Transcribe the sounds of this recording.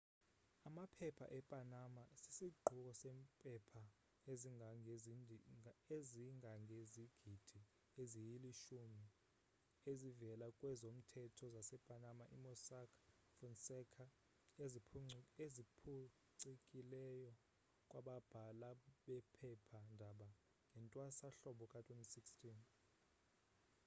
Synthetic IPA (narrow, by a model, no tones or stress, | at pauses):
amapʰɛpʰa̰ʔɛpʼanamasisiɡ͡ǃʱuk̬ɔsempʼɛpʰa | eziŋaŋez | eziŋaŋʱeziɡ̥ʱid̥ʱi | ezijiliʃumi | ezivɛlakʼwɛzom̩tʰɛtʰɔzasɛb̥ʱanamaʔimɔsakʰḁ | fɔnsɛkʰa | ezipʰu | ǀikʼilɛjɔ | kʼwʔaɓab̥ʱalaɓɛpʰɛpʰandʱaɓa | ŋɡʱɛntʼwasaɬɔɓɔkʼatʰwentʼisikstʰʼin